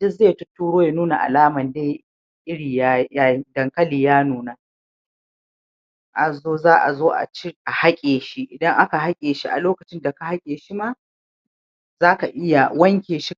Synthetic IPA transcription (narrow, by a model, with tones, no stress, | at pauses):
d͡ʒɪ˦zeː˦˨jtʊ˦tːuː˦ɽoː˦ja˨nuː˦na˨ʔa̰˨laː˦mɐ˨ndeː˦ | ʔɪ˦ɽiː˨ja˦ja˦dɐ˨ŋkɐ˦liː˨jaː˦nuː˨na˦ | ʔa˨zoː˦zaː˦ʔa̰˨zoː˦ʔa̰˨t͡ʃi˦ʔa˨ha˦kʲʼeː˨ʃi˦ʔɪ˨dɐ˦ŋʔa˦ka˨ɦa˦kʲʼeː˨ʃi˦ʔa̰˨loː˦kɐ˨t͡ʃɪ˦nda˨ka˨ha˦kʲʼeː˨ʃi˦ma˦ | zaː˦ka˨ʔɪ˦ja˨wɐ˦ŋkʲeː˨ʃi˦